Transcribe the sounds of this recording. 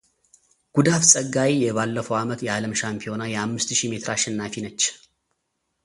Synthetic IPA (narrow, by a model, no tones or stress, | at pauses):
ɡ̥ud̪afsʼəɡːawijɛβalːəfəwamət̪jɛaləmʃampʰio̞najɛhamːɨst̪ʃime̞t̪ʰɾaʃɛnːafinət͡ʃː